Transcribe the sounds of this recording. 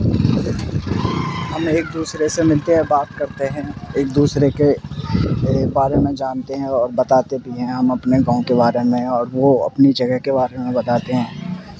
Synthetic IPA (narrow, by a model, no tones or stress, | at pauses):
ɦɐmeːk̚d̪uːsɾesemɪlt̪eɦɛ̃baːt̪kɐɾt̪eɦɛ̃eːk̚d̪uːsɾeke | baːɾemẽd͡ʒaːnt̪eɦɛ̃ɔːɾbɐt̪aːt̪ebʱiɦɛ̃ɦɐmɐpneɡɐ̃õkebaːɾemẽɔːɾʋoɐ̰pnid͡ʒɐɡəɦkebaːɾemẽbɐt̪aːt̪eɦɛ̃ː